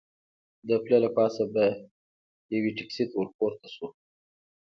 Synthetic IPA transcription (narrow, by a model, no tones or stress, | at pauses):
d̪əplalapɑsaba | jawiʈɪksit̪wʊɾkoɾt̪asu